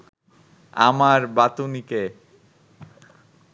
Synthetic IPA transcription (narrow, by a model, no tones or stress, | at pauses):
a̰maɾbat̪unike